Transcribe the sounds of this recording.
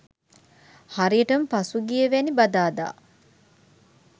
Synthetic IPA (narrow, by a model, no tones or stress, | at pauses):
haɾiəʈɐmpɐsuɡijeʋenibad̪aːd̪a̰ː